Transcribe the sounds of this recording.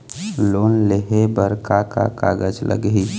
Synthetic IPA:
lonleɦebəɾkaka̰ka̰ɡəd͡ʒlʔə̰ɡi

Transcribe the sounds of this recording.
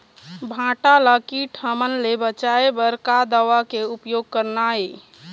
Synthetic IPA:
bʱãʈaləkiʈʰəmənlebət͡ʃaebəɾkad̪əwakeupjoɡ̚kəɾnae

